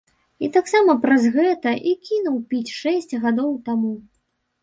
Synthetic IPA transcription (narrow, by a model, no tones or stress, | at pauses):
it̪aksamɐpɾɐzɣɛt̪ɐʔikʲinuwpʲit͡sʲʂɛsʲt͡sʲɣad̪ɔwt̪amu